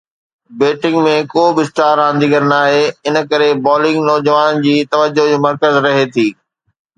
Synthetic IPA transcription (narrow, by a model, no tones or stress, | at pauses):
beːʈɪ̃ŋɡmẽkoːbɪsʈaːɾãːn̆d̪ʱiɡəɾnaːɦeɪnə̆kɐɾebɔːlɪ̃ŋɡnɔːd͡ʑəʋaːnd͡ʑiːt̪ɐʋəd͡ʑod͡ʑoːmɐɾkəzɾɐɦet̪ʰiː